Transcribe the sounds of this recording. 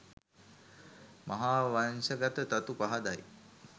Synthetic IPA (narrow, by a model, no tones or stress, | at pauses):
maɦaːʋansəɡat̪ət̪at̪upaɦad̪aj